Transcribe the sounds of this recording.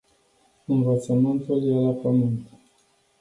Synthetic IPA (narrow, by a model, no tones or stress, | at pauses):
ɨnvət̪səmɨnt̪uljelapəmɨnt̪